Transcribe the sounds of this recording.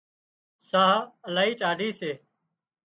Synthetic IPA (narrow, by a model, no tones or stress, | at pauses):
saːəlaːiːʈaːɖiːseː